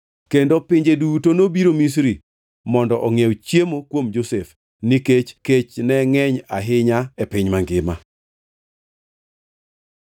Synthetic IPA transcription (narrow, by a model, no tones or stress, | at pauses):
kendopɪɲd͡ʒedutonobiɾomis̬ɾi | mɔndɔʔɔŋewt͡ʃjemokwomd͡ʒosef | niket͡ʃket͡ʃnɛŋɛɲaɦɪɲaɛpɪɲmaŋɡɪma̰